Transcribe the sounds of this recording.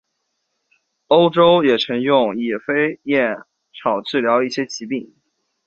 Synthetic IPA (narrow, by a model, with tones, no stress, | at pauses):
o˥ʊʈ͡ʂo˥ʊjɛ˨˩ʈ͡ʂʰɤ˧˥ŋjʊ˥˩ŋjɛ˨˩fe˥ɪjɛ˥˩n | ʈ͡ʂʰɑ˨˩ʊt͡ɕɻ̩˥˩ljɑ˧˥ʊi˥˩ɕjɛ˥t͡ɕʰi˧˥pi˥˩ŋ